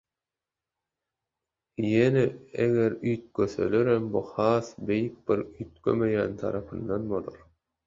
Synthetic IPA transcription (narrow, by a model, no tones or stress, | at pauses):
jeneeɣeɾyjt̪̚kʰøsø̰løɾembuhɑːsbe̞jik̚b̥iɾyjt̪̚kʰø̰mø̞jæːnt̪ʰɑ̰ɾɑpʰɯnd̪ɑnbo̞lˠoɾ